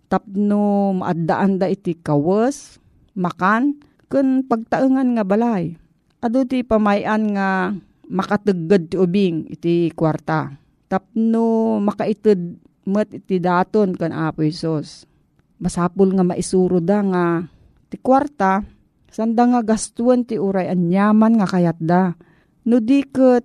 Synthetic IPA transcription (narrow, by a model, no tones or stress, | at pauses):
t̪ap̚noma̰ʔad̪aʔand̪aʔit̪ɪkawəs | makan | kɨnpaɡ̚t̪aʔɨŋanŋabalaj | ʔad̪ot̪ipamajʔanŋa | mɐkat̪ɨɡad̪̚t̪ɪʊbɪŋɪ̰t̪ikwaɾt̪a | t̪ap̚nʊmɐkaʔɪt̪ɨd̪̚ | mət̪̚ʔɪt̪ɪd̪aːt̪onkaŋʔaːpʊhɛsus | masaːpʊlŋamaʔɪsuːɾʊd̪aŋa | t̪ɪkwaɾt̪a | sand̪aŋaɡast̪uənt̪ɪʔuɾajʔanjaːmanŋakajat̪̚d̪a | nʊd̪ikət̪